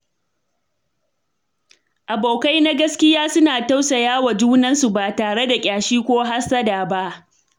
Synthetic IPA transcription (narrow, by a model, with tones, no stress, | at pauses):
ʔa˨boː˨ka˦jna˦ɡɐ˦skʲɪ˦jaː˦sʊ˦naː˨ta˦wsa˨jaː˦wa˨d͡ʒuː˦nɐ˦nsu˨ba˨taː˨ɽe˦da˨kʲʼaː˨ʃiː˦kʷoː˦ɦa˦sɐ˦daː˨ba˦ʔ